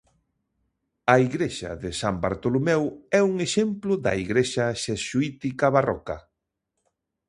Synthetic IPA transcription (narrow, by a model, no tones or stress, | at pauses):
ɐiɣɾeʃɐ̰ðɪsamba̰ɾt̪olomɛwɛuŋeʃemplʊðɐ̰iɣɾeʃɐʃesuit̪ikɐβarɔ̰kɐ